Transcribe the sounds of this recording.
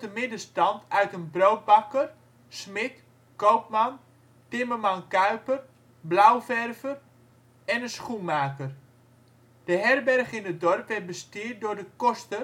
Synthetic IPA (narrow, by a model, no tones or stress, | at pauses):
təmɪdəstɑntʰœɥtənbrowt̚bɑkər | smɪt | kowp̚mɑn | tɪməmɑnkœɥpər | blawfɛrvər | ɛnənsχunmaːkər | d̥əɦɛrbɛrχɪnət̚dɔrpʋɛt̚bəstɪːrt̚dʊrdəkɔstə